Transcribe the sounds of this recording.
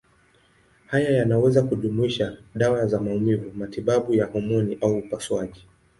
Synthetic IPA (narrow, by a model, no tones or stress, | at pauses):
hajajanawɛzakuɗumuiʃaɗawazamaumivumatiɓaɓujahɔmɔniʔauːpaswaʄi